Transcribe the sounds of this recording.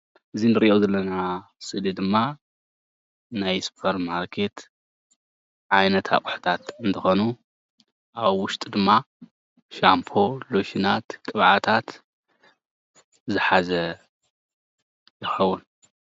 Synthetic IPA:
ʔɨzinɨɾiʔozɐlːɐnasɨlid̪ɨmːa | najspʰɐɾmaɾkʰe̞t̪ | ʕajnɐt̪ʰa̰kʼħt̪ʰat̪ɨnt̪ʰɨxo̞nu | ʔaβwʊʃt̪ʼd̪ɨmːa | ʃampʰo̞loʃinat̪kʼɨβʕat̪ʰat̪ | zɨħazɐ | jɪxɐwːun

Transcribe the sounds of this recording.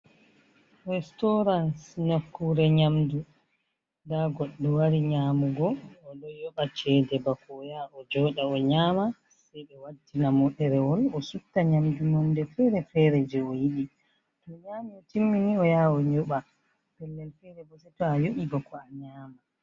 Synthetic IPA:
ɾɛstɔɾansɲakːuɾɛɲamdu | daɡɔɗːɔwaɾiɲaːmuɡɔːɗɔjɔɓat͡ʃɛdɛbakɔːjaʔɔd͡ʒɔːɗaɔɲaːma | sɛjɓɛwadinamɔɗɛɾɛwɔlɔsutːaɲamdunɔndɛfɛɾɛfɛɾɛd͡ʒɛɔjiɗi | tɔɲaːmiɔtimːiniɔjaɔɲɔɓa | pɛlːɛlfɛɾɛbɔsɛtɔajuɓiɡɔkɔaɲaːma

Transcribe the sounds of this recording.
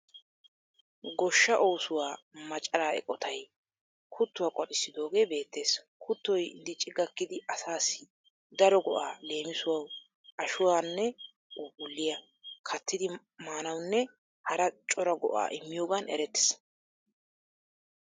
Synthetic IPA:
ɡɔʃːɐʔo̞ːsʊwaːmɐt͡ʃʼɐɾaːɛ̰kʼːɔt̪ʰɐj | kʰʊt̪ːʊwaːkʼɔɗɪsːɪd̪o̞ːɡe̞ːbe̞ːt̪ːe̞ːs | kʰʊt̪ːɔjd̪ɪt͡ʃʼɪɡɐkːɪd̪ɪʔɐsaːsɪ̥ | d̪ɐɾɔɡɔʔaːle̞ːmɪsʊwɐw | ʔɐʃʊwaːnːɛ | ʔubʊlːɪjɐ | kʰɐt̪ːɪd̪ɪ | maːnɐwnːɛ | hɐɾɐt͡ʃʼɔɾɐɡɔ̰ʔa̰ːʔɪmːɪjo̞ːɡanʔɛ̰ɾɛt̪ːɪ̥s

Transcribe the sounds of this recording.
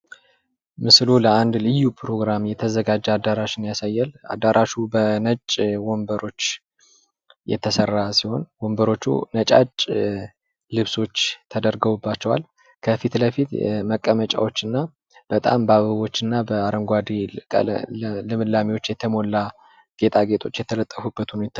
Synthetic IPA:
mɨsluləand̪lɨjːupʰɾo̞ɡɾamjɛt̪ʰəzəɡad͡ʒːad̪aɾaʃɪnjasajːɛla̰d̪ːaɾaʃubənət͡ʃʼwombəɾo̞t͡ʃː | jɛ̰t̪ʰəsərːasiho̞̰nwombəɾo̞t͡ʃːṵnət͡ʃʼa̰t͡ʃʼ | lɨβso̞t͡ʃːt̪ʰəd̪əɾɡəwubːat͡ʃːɛwal | kʰəfit̪ləfit̪məkʼːəmət͡ʃʼa̰wo̞t͡ʃːɨnːa | b̥ət̪ʼa̰mbaβɨβo̞t͡ʃːɨnːabəaɾəŋɡʷad̪ikʼə̰lɨmɨlːamiwo̞t͡ʃːjɛt̪ʰəmo̞lːa | ɡ̥e̞t̪ʰʼaɡe̞t̪ʰo̞t͡ʃːjɛt̪ʰələt̪ʼːəfubːət̪ʰunjɛt̪ʰː

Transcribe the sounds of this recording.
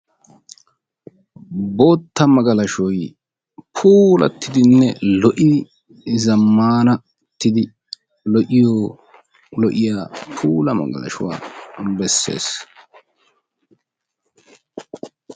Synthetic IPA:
bo̞ːt̪ːɐmɐɡɐlɐʃɔj | pʰuːlɐ̰t̪ːɪd̪ɪnːɛlɔʔɪ | zɐmːaːnɐ | t̪ːɪd̪ɪ | lɔʔɪjo | lɔʔɪjaːpʰuːlɐmɐ̰ɡɐ̰lɐ̰ʃʊwa̰ːmbɛsːe̞̰ːs

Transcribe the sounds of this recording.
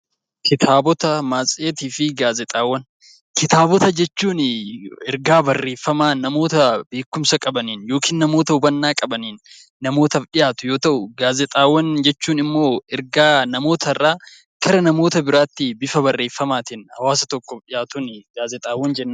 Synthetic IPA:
kʰɪt̪ʰaːbɔt̪ɐmaːsʼeːt̪iːfɪɡaːzɛt̪ʼaːwːɐn | kɪt̪aːbɔt̪ɐd͡ʒɛt͡ʃːuːnɛɾɡaːbɐrːe̞ːfːɐmaːnɐmo̞ːt̪ɐbe̞ːkːʊmsɐkʼɐbɐniːnjo̞ːkʰiːnːɐmo̞ːt̪ɐʊbɐnːaːkʼɐbɐniːnː | ɐmo̞ːt̪ɐfɗɪjaːt̪ʊjo̞ːt̪ɐʔʊɡaːzɛt̪ʼaːwːɐnd͡ʒɛt͡ʃːuːnɪmːo̞ːɛɾɡaːnɐmo̞ːt̪ʰɐrːaː | kʰɐɾɐnɐmo̞ːt̪ɐbɪɾaːt̪ːɪbɪfɐbɐrːe̞ːfːɐmaːt̪ɪnhɐwaːsɐt̪ɔkːɔᶑɪjaːt̪ʊnɡaːzɛt̪ʼaːwːɐnd͡ʒɛnːɐ

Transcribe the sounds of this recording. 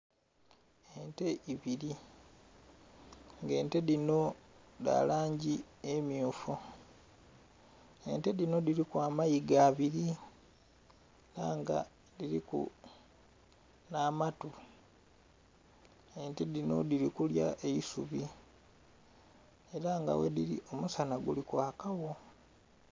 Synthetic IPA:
ente̞iβiɾi | ŋɡe̞ːnte̞ðino̞ | da̰ːlaːɲɟi | emjuːfu | e̞nte̞ðino̞diɾikwaːmajiɡaːβiɾi | ɾaːŋɡa̰ | diɾikṵ | naːmatu | e̞nte̞ðino̞̰diɾikuljaʔe̞isuβi | e̞ɾaŋɡa̰wḛdiɾḭʔo̞musanaɡulikwaːkawo̞

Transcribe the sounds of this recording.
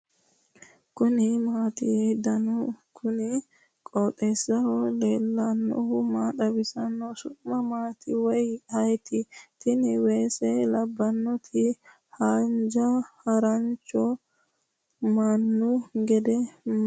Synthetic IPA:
kʊnɪmaːt̪ɪhed̪ɐnʊkʰʊnɪ | kʼɔːt̪ʼesːɐhɔleːlːɐnːɔ̰hʊmaᶑ̪ɐbɪsɐnːɔsʊmɐmaːt̪ɪwɔjhɐjt̪ɪt̪ɪnɪweːsɛlɐbːɐnːɔt̪ʰɪ | hand͡ʒɐhɐɾɐnt͡ʃːɔ | manːʊɡɛd̪ɛ

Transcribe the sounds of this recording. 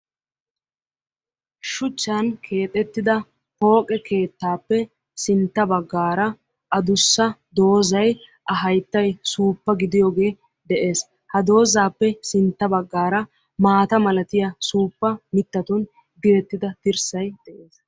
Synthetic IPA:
ʃʊt͡ʃːɐnkʰe̞ːt̪ʼɛt̪ːɪd̪ɐ | ho̞ːkʼɛke̞ːt̪ːaːpːɛ | sɪnt̪ːɐbɐɡːaːɾɐ | ʔɐd̪ʊsːɐd̪o̞ːzɐjʔɐɦɐjt̪ːɐjsuːpːɐɡɪd̪ɪjoːɡe̞ː | d̪ɛʔe̞ːs | hɐd̪o̞ːzaːpːɛsɪnt̪ːɐbɐɡːaːɾɐ | maːt̪ɐmɐlɐt̪ɪjɐsuːpːɐmɪt̪ːɐt̪ʊn | d̪ɪɾɛt̪ːɪd̪ɐt̪ɪɾsɐjd̪̥ɛʔe̞ːs

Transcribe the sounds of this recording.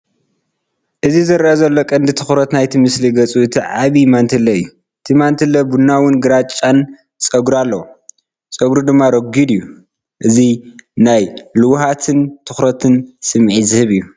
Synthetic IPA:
ʔɨzizɨɾʔɐzɐlːokʼɐnd̪it̪ʰɨxɾɐt̪najt̪ʰimɨsliɡɐt͡sʼuɨt̪ʰiʕaβimant̪ʰɨlɐɨjːu | ʔɨt̪ʰimant̪ʰɨlɐbunawʊnɡɨɾat͡ʃʼːan | t͡sʼɐɡɾualːɐw | sʼɐɡɾud̪ɨmːaɾɐɡid̪ɨjːu | ʔɨzinajlɨwhat̪ʰɨnt̪ʰɨxɾɐt̪ʰɨnsɨmʕizɨhɨβɨjːu

